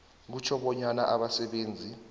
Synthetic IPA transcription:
k̬ut͡ʃʰɔɓɔɲanaʔaɓasɛɓeːnd͡zʱi

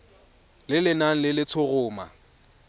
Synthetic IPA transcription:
lɪlɪnaŋ̩lɪlɪt͡sʰʊɣʊːma̰

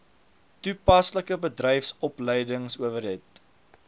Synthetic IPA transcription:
tupɐsləkəbədrɛjfsɔpləjdəŋsuəvərɦɛt̚

